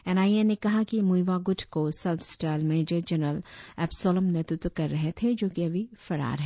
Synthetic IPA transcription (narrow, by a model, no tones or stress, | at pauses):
ɛːnaːienekɐɦakimuiʋaɡʊʈʰkosɐlfsʈaːlmeːd͡ʒəɾd͡ʒɐɾnəɾəlɛːpsɔːləmnɛt̪ɾɪt̪wəkɐɾːɐɦet̪ʰed͡ʒoːkiɐbʱifɐɽa̰ːɾɦɛː